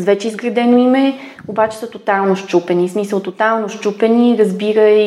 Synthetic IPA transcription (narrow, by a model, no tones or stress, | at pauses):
vɛt͡ʃɛizɡɾɐd̪ɛnoimɛ | obat͡ʃɛ̥sət̪ot̪alˠnoʃt͡ʃupɛnismisəlˠt̪ot̪alˠnoʃt͡ʃupɛniɾəzbiɾə